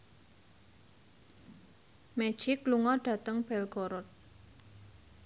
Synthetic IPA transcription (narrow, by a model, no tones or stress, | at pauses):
mɛd̥ʒ̥ikluŋɔɖ̥a̤t̪əŋb̥ɛlɡ̥oɾʊt̪̚